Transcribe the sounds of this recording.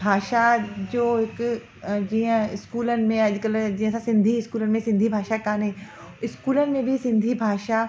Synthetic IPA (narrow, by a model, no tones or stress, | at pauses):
bʱaːʃad͡ʑoːɦɪk | d͡ʑiːə̃ɪskuːlənɪ̆mẽɐʄkəld͡ʑiːɦə̃sãsɪ̃nd̪ʱiɪskuːlənɪ̆mẽsɪ̃nd̪ʱibʱaːʃakaːnɦe | ɪskuːlənɪ̆mẽbʱisɪ̃nd̪ʱibʱaːʃa